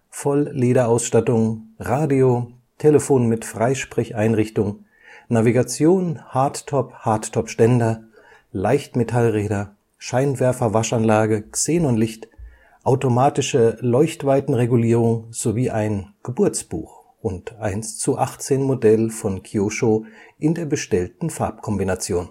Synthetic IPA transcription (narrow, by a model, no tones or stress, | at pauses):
fɔlleːɾɐaʊsʃtatʊŋʁaːdio | tʰeːləfoːnmɪtfʁ̥aɪʃpʁ̥ɪçʔaɪnʁɪçtʊŋ | naviɡat͡sjoːnhaɐttʰɔphaɐttʰɔpʃtɛndɐ | laɪçtmetʰalʁɛːɾɐ | ʃaɪnvɛɐfɐvaʃanlaːɡət͡seːnʊntlɪçt | ʔaʊtomaːtɪʃəlɔʏçtv̥aɪtn̩ʁeɡuliːʁʊŋz̥oviːʔaɪnɡ̥əbʊɐt͡sb̥ṵːx | ʔʊntʔaɪnst͡suʔaχt͡seːnmodɛlfɔnkʰioʃoʔɪndeːɐbəʃtɛltn̩faɐp̚kʰɔmbinat͡sjoːn